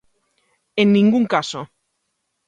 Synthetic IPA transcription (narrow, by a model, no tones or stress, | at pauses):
enːĩŋɡuŋkaso